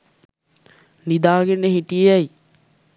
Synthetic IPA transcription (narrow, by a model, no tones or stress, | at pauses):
nid̪aːɡenːəɦiʈijejæji